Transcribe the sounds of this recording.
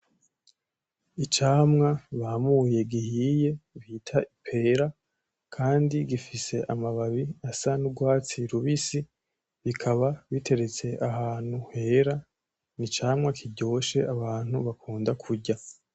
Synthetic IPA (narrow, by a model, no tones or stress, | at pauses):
it͡ʃaːmŋaβahamuje̞ɡihije̞βitʰaʔipʰe̞ɾa | kʰaːndiɡifise̞ʔamaβaβiasanuɡwaːt͡siɾuβisi | βikʰaβaβitʰe̞ɾe̞t͡se̞ʔaɦaːn̥huhe̞ːɾa | nit͡ʃaːmŋakʰiɟo̞ːʃe̞ʔaβaːn̥huβakʰuːndakʰuɾɟa